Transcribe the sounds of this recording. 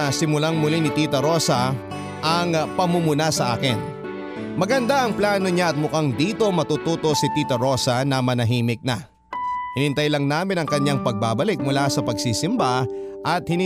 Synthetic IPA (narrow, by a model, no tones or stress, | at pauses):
sɪmʊlaŋmʊlinɪt̪iːt̪ɐɾo̞sɐ | ʔɐŋpɐmumʊnasɐʔaːkɪn | mɐɡɐnd̪aʔɐŋplaːno̞ɲaʔɐt̪̚mʊkaŋd̪iːt̪o̞mɐt̪uːt̪uːt̪o̞sɪt̪iːt̪ɐɾo̞ːsɐnɐmɐnɐɦiːmɪk̚nɐ | hɪnɪnt̪ɐjlɐŋnaːmɪnɐŋkɐɲaŋpɐɡ̚baːbɐlɪk̚mʊlasɐpɐɡsiːsɪmbaʔɐt̪̚hɪnɪ